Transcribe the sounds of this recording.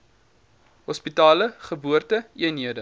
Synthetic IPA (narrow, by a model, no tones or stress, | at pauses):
ɦɔspitɑːləχəbuərtəiənɦiədə